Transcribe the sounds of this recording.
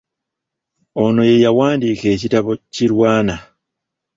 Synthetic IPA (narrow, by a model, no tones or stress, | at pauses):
ono̞je̞jawaːndiːke̞ːcitaβo̞ciɾwaːna